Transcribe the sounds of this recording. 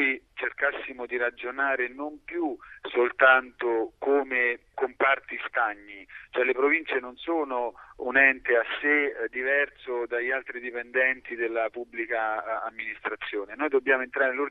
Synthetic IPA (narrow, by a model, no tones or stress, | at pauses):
jit͡ʃerkasːimod̪iɾad͡ʒonaːɾenompjusolt̪ant̪okoːmekompart̪ist̪aɲːit͡ʃoɛlːepɾovint͡ʃenonsoːnounɛnt̪easːed̪ivɛrsod̪aʎːalt̪ɾid̪ipend̪ɛnt̪id̪elːapubːlikaːmːinist̪ɾat̪sːjoːnenoːjd̪obːjaːmoent̪ɾaːɾenelur